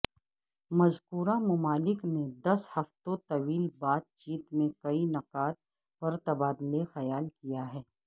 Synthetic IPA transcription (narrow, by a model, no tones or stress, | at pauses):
mɐzkuːɾamʊmaːlɪkned̪ɐshɐft̪õt̪ɐʋiːlbaːt̪̚t͡ʃiːt̪mẽkɐinɐqaːt̪̚ | pɐɾt̪ɐbaːd̪lexɐjaːlkijaɦɛː